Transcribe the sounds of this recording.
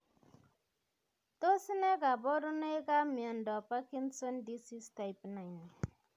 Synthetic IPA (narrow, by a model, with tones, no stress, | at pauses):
to˦si˦ne˦ka˨bɔ˦ɾu˦ne˦jka˦mi˨a˨ndɔ˨pa˦ki˦nso˦ndi˦si˦sta˨jpna˨jn˨